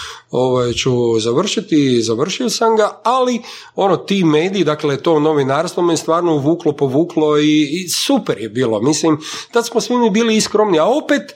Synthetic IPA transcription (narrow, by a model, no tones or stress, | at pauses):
o̞ʋajt͡ʃuzaʋr̩ʃit̪izaʋr̩ʃiosamɡaali | o̞not̪iːmeːd̪iːd̪aklet̪o̞no̞ʋinaːɾst̪ʋomejest̪ʋaːɾnouʋuːklo̞po̞ʋuːklˠo̞isupeɾjebiːlˠo̞mislimt̪at̪smosʋimibiːliiskɾomniao̞peːt̪